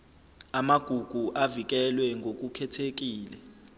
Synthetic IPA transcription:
amaɡ̥ʱuɡ̥ʱuʔavik̬ɛlwɛŋɡʱok̬ʼukʰɛtʰek̬iːlɛ

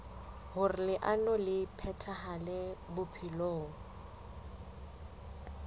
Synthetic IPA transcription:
hʊrɪlɪʔanɔlɪpʰɛtʰaɦalɛbʊpʰiloːŋ̩

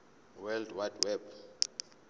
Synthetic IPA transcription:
wɛldwadwɛb

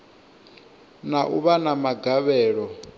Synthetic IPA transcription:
naʔuβanamaɡaβɛːɺɔ

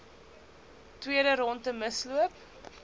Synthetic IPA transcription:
twiədəɾɔntəməsluəp̚

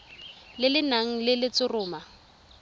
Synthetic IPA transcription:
lɪlɪnaŋ̩lɪlɪt͡sʊrʊːma

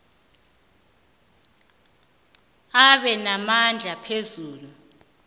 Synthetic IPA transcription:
aɓɛnamand͡ɮʱapʰezuːlu

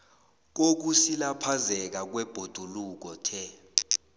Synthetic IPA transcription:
k̬ok̬usilapʰazɛk̬ak̬wɛb̥ʱod̥ʱuluk̬ɔtʰɛ

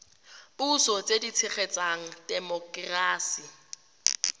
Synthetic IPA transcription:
busɔt͡sʼedit͡sʰɪχet͡sʼaŋ̩dɛmɔkʼraːsi

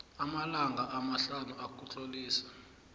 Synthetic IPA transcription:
amalaŋɡaʔamaɬanuak̬ʼut͡ɬoliːsḁ

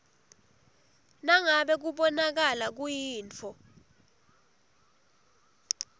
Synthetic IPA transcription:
naŋaɓɛk̬uɓɔnak̬alak̬ujiːnt͡fʰɔ

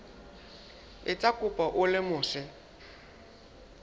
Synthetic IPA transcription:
ɪt͡sʼakʼʊpʼaʔʊlɪmʊːsɛ

